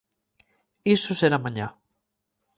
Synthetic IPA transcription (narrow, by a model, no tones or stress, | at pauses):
isʊseɾamãɲa